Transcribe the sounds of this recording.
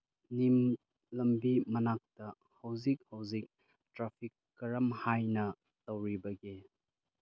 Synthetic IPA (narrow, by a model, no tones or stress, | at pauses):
nim | lɐmbimɐnak̚tɐ | hɐwzik̚hɐwzik̚ | tɾapʰikːɐɾɐmhajnɐ | tɐwɾibɐɡe